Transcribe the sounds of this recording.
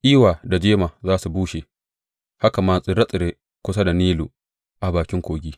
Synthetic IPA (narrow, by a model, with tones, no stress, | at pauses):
ʔiː˦waː˨da˨d͡ʒeː˦maː˨zaː˦su˨buː˦ʃeː˨ | ha˦ka˨maː˨sʼɪ˦ɾɐ˦sʼɪ˨ɾeː˦ | kʷʊ˦sa˦da˨niː˦lu˨ | ʔa˨baː˨kʲɪ˦ŋkʷoː˨ɡʲiː˦